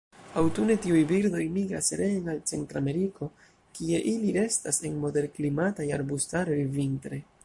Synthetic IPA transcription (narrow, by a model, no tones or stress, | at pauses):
awtune̞tiujbiɾdo̞jmiɡɾa̰sɾe̞ːnalt͡se̞ntɾame̞ɾiko̞ | kie̞ʔiliɾe̞stase̞nmo̞de̞ɾklimatajaɾbustaɾo̞jvintɾe